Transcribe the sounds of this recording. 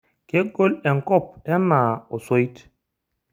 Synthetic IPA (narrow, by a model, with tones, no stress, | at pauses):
ke˦ɡo˦lɛ˨ŋ˨kɔ˦˨p̚ɛ˦na˨o˨so˦i˦t